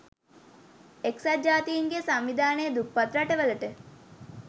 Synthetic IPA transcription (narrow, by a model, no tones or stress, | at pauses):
eksad͡ʒaːt̪ijiŋɡesamʋid̪aːnejːd̪upːat̪ɾaʈəʋələʈə